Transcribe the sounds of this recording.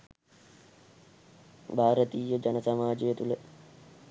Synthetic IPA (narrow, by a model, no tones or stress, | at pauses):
bʱaːɾət̪iːjəd͡ʒɐnəsamaːd͡ʒejət̪ulə